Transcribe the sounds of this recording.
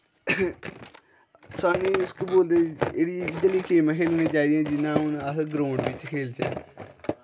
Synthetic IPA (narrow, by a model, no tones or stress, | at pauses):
saːniːʊskiːboːld̪eːeːɽiːd͡ʒəliːkʰeːmãːkʰeːlnẽːt͡ʃaːiːd̪eɛ̃ːd͡ʒɪnãːɦʊnəsɡɾõːɳɖʋɪt͡ʃkʰeːlt͡ʃɛ̰ː